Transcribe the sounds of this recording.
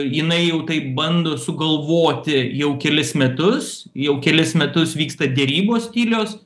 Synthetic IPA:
jɪnɐɪjɛʊt̪ɐɪpbɐnd̪oːsʊɡɐlˠʋoːt̪ʲɪjɛʊkʲɛlʲɪsmʲɛt̪ʊs | jɛʊkʲɛlʲɪsmʲɛt̪ʊsʋʲiːkst̪ɐd̪ʲɛɾʲiːboːsʲt̪ʲiːlʲoːs

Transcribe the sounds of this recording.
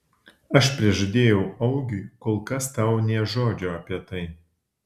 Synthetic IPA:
ɐʃpʲɾʲiɛʒɐd̪ʲeːjɛʊɐʊɡʲɪkoːlˠkɐst̪ɐˑʊnʲɛʒoːd͡ʒʲoːɐpʲiɛt̪ɐɪ

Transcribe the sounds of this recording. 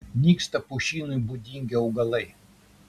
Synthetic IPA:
nʲikst̪ɐpʊɕinʊjbʊd̪ʲiŋʲɡʲɛʊɡɐlˠɐj

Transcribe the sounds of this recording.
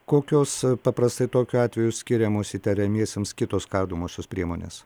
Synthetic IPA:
koːkʲoːspɐpɾɐst̪ɐɪt̪oːkʲuɑːt̪ʲʋʲɛjʊsʲkʲɪɾʲɛmoːsiːt̪ʲɛɾʲɛmʲiɛsʲeːmskʲɪt̪oːskɐrd̪omoːʃʲospʲɾʲiɛmoːnʲḛːs

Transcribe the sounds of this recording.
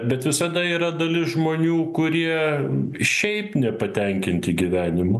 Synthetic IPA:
bʲɛt̪ʋʲɪsɐd̪ɐiːɾɐd̪ɐlʲɪsʒmoːnʲuːkʊɾʲiɛ | ʃʲɛɪpnʲɛpɐt̪ʲɛŋʲkʲɪnʲt̪ʲɪɡʲiʋʲæːnʲɪmʊ

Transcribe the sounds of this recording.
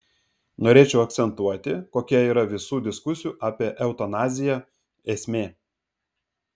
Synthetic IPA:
noːɾʲeːt͡ʃʲɛʊɐk̚t̪sʲɛnt̪uɔt̪ʲɪkoːkʲɛiːɾɐʋʲɪsuːd̪ʲɪskʊsʲɪjuːʔɑːpʲiɛʔɛʊt̪ɐnɑːzʲɪjæ | esʲmʲeː

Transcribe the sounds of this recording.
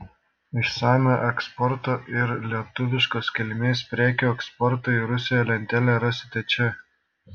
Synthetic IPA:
ɪʃsɑːmʲoʔɛkspɔɾt̪oːʔɪɾlʲiɛt̪ʊʋʲɪʃkoːskʲɛlʲmʲeːspʲɾʲæːkʲoːɛkspɔɾt̪oːiɾʊsʲɪjoːlʲɛnʲt̪ʲɛlʲɛɾɐsʲɪt̪ʲɛt͡ʃʲɛ

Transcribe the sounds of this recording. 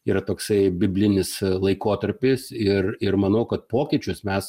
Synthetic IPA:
iːɾɐt̪oːksɐɪbʲɪbʲlʲɪnʲɪslˠɐɪkoːt̪ɐɾʲpʲɪsɪrɪrmɐnɐʊkɐt̪̚poːkʲɪːt͡ʃʲʊsmʲɛs

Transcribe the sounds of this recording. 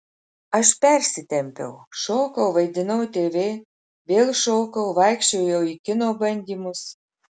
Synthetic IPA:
ɐʃpʲɛɾʲsʲɪt̪ʲɛmʲpʲɛ̰ʊʃoːkɐʊʋɐɪd̪ʲɪnɐʊt̪ʲeːʋʲeː | ʋʲeːlˠʃoːkɐʊʋɐɪkʃʲt͡ʃʲoʊjɛwikʲɪnoːbɐnʲd̪ʲiːmʊs

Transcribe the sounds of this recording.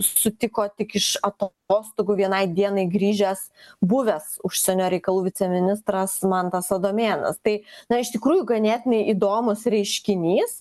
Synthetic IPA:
sʊt̪ʲɪkoːt̪ʲɪkɪʃɐt̪ | oːst̪ʊɡʊʋʲiɛnɐɪd̪ʲiɛnɐɪɡɾʲiːʒʲɛs | bʊʋʲɛsʊʃʲsʲɛnʲoːɾʲɛɪkɐlˠuːʋʲɪt̪sʲɛmʲɪnʲɪst̪ɾɐsmɐnt̪ɐsɐd̪oːmʲeːnɐ̰st̪ɐɪnɐɪʃt̪ʲɪkɾuːjʊɡɐnʲæt̪ʲɪnʲɛɪʔiːd̪oːmʊsɾʲɛɪʃʲkʲɪnʲiːs

